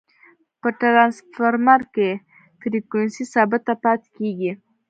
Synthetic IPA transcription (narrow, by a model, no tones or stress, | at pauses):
pəʈɾansfaɾmaɾke | t̪ɾikwensisɑbɪt̪ːapɑt̪keɡi